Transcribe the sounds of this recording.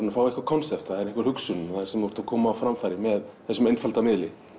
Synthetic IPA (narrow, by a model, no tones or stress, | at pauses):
nafaːwihkvaɾkʰɔnsɛft̪θaðɛɾɪhŋkvʏɾ̥hʏksʏnʏmaɾ̥sɛmɔɾ̥t̪akʰɔːmaːwfɾamfajɾɪmɛðθɛsːʏmejnfalt̪amɪðlɪ